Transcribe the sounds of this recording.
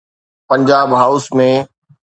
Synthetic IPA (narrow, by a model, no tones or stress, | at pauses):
pɐ̃ɲd͡ʑaːbɦaːʊsmẽ